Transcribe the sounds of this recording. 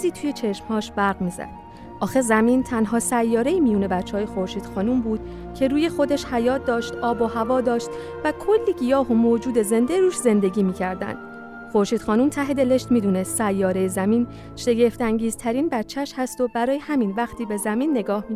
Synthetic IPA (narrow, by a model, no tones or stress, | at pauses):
ziːt̪ʰujet͡ʃʰe̞ʃmhɒːʃbæɾɡmiːzæ̰d̪̥ | ʔɒːxezæmint̪ʰænɦɒːsæjːɒːɾeiːmijuːne̞bæt͡ʃʰːeɒːje̞xo̞ɾʃiːd̪̥xɒːnumbuːd̪̥̚ | cʰe̞ɾuːje̞xo̞d̪eʃhæjɒːt̪̚ʰd̪ɒːʃt̪ʔɒːbohævɒːd̪ɒːʃt̪ | vækʰo̞lːiːɡijɒːɦo̞moːd͡ʒuːd̪e̞ze̞nd̪eɾuːʃze̞nd̪e̞ɡʲiːmiːcʰæɾd̪æ̰nd̪̥ | xo̞ɾʃiːd̪xɒːnumt̪ʰæɦe̞d̪e̞le̞ʃt̪miːd̪uːne̞st̪sæjːɒːɾe̞jezæmiːn | ʃe̞ɡe̞ft̪æŋɟiːz̥t̪ʰæɾiːnbætt͡ʃʰːæʃhæst̪o̞bæɾɒːjehæminvæxt̪ʰiːbe̞zæminːe̞ɡɒːhmi